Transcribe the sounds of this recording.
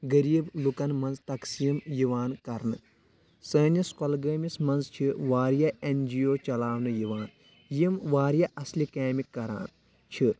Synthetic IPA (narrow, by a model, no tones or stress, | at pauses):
ɡɐɾiːblukɐnmɐnzt̪ɐksiːmjiʋaːnkɐɾnɨ | səːnɐskɐlɡəːmismɐnzt͡ʃʰiʋaːɾjaʔend͡ʒijoːt͡ʃɐlaːʋnɨjiʋaːn | jimʋaːɾjaʔɐslikeːmikːɐɾa̰ːn | t͡ʃʰi